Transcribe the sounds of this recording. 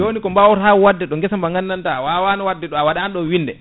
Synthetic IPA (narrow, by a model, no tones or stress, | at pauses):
d͡ʒoːnikɔmbawtawwadːɛɗɔŋɡɛsambaŋɡanːantawawanawadːɛɗɔawaɗaːnɗɔnwindɛ̰